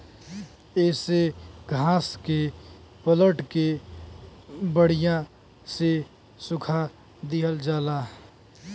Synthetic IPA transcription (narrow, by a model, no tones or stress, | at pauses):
eːseɡʱãːske | pələʈke | bəɽ̤ijã | se | sʊkʰa | d̪iɦəld͡ʒaːlaː